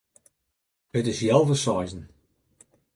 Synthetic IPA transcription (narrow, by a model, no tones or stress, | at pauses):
ətɪsjɛlˠvəsɔjzn̩